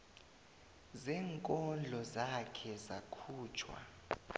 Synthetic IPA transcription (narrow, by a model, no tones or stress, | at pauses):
zɛŋkʼɔnd͡ɮʱɔzakʰɛzakʰuːt͡ʃʰwa̰